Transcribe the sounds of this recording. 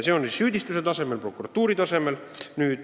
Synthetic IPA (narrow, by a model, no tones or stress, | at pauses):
sjo̞ːnisyːd̪ist̪use̞t̪ɑse̞me̞lpro̞kuɾɑt̪ːuːɾit̪ɑse̞me̞l | nyːd̪